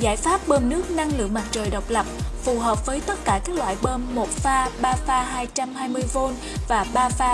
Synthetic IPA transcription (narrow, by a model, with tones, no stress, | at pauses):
zaː˧˩jfaː˦˥p̚ɓəː˧mnɨ˦˥ək̚na˧ŋlɨ̰˧˨əŋma˨˩t̚t͡ɕəː˨˩jɗə˨˩wk͡p̚lə˨˩p̚fu˨˩ɦəː˨˩p̚vəː˨˦jt̪ə˦˥t̚kaː˧˩kaː˦˥k̚lwa̰ː˧˨jɓəː˧mːo˨˩t̚faː˧ɓaː˧faː˧ɦaː˧jt͡ɕa˧mhaː˧jmɨ˧əjvo˧n | vaː˨˩ɓaː˧faː˧